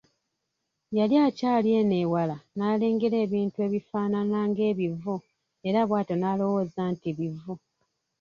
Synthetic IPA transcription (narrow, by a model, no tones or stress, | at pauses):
jaljacaːlje̞ne̞ːwalanaːle̞ːŋɡeɾe̞ːβiːntue̞ːβifaːnanaːŋɡe̞ːβivu | e̞ɾaβwaːto̞naːlo̞wo̞ːzaːntiβivːu